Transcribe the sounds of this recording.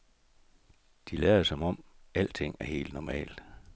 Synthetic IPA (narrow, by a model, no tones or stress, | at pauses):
d̥ilɛɐsɒ̽mɒ̽m̰æl̰d̥t͡sʰe̝ŋ̰æɐhe̝̰ːld̥nɒmɛ̰ːld̥